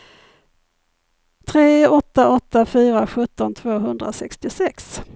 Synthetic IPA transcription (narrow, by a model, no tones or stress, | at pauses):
t̪ʰɾeːɔt̪ːaʔɔt̪ːafyːɾaɧɵt̪ːɔnt̪ʰv̥oːɦɵnd̪ɾa̰sɛ̰kst̪ɪsɛks